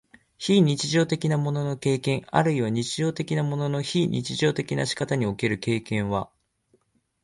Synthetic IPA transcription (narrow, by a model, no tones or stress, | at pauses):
çiːɲ̟it͡ɕiʑo̞ːt̪e̞kʲinamo̞no̞no̞ke̞ːkẽ̞ŋa̰ɾɯ̟iβaɲ̟it͡ɕiʑo̞ːt̪e̞kʲinamo̞no̞no̞çiːɲ̟ʲʔḭt͡ɕiʑo̞ːt̪e̞kʲinaɕi̥kat̪aɲ̟io̞ke̞ɾɯ̟ke̞ːkẽ̞ɰ̃βa